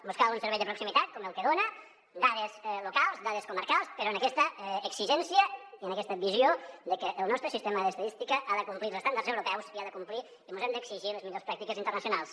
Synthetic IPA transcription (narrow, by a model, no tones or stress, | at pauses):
buskaunsəɾβɛjðəpɾuksimit̪at̪̚kɔməlˠkəðonə | d̪aðəzlukalˠzd̪aðəskuməɾkalˠspəɾoənəkɛst̪əːksiʒɛnsiəiənəkɛst̪əβiziod̪əkəʔːlˠnɔst̪ɾəsist̪eməðəst̪ðist̪ikəʔaðəkumpliləst̪and̪aɾrzewɾupɛwsiaðəkumpli | imuzɛmd̪əksiʒiləzmiʎospɾak̚t̪ikəzint̪ərnəsiunalˠs